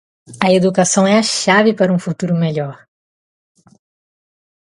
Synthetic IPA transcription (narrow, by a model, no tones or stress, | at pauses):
ɐed̪ukasɐ̃w̃ɛɐʃavɪpaɾɐũfut̪uɾʊmeʎɔɾ